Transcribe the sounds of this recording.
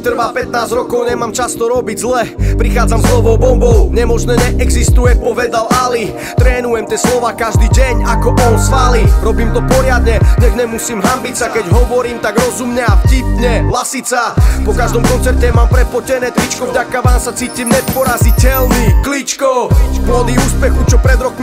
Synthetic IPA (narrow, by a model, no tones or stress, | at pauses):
t̪r̩ʋaːpɛt̪naːzɾɔkɔʊɲɛmaːmt͡ʃast̪ɔɾɔbiɟzlɛpɾixaːd͡zamzlɔʋɔʊbɔmbɔʊɲɛmɔʒnɛɲɛʔɛɡzist̪ujɛpɔʋɛd̪alali | t̪ɾɛːnujɛmt̪ɪɛslɔʋaːkaʒd̪iːɟɛɲakɔʔɔnsʋaliɾɔbiːmt̪ɔpɔɾɪad̪ɲɛɲɛɣɲɛmusiːmɦambicsakɛɟɦɔʋɔɾiːmt̪aɡɾɔzumɲɛafcipɲɛlasit͡sapɔkaʒd̪ɔmkɔnt͡sɛɾcɛmaːmpɾɛpɔcɛnɛːt̪ɾit͡ʃkɔvɟakaʋaːmsat͡siːciːmɲɛpɔɾazicɛlniklit͡ʃkɔblɔd̪iːuːspɛxut͡ʃɔpɾɛd̪ɾɔkmi